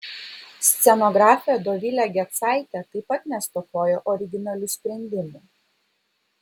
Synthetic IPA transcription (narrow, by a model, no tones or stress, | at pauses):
sʲt̪sʲɛnɔɡɾɑːfʲɪjɛd̪oːʋʲilʲɛɡʲɛt̪sɑˑɪt̪ʲɛt̪ɐɪpɐt̪nʲɛst̪ɔkoːjoʔɔɾʲɪɡʲɪnɐlʲʊsʲpʲɾʲɛnʲd̪ʲɪmu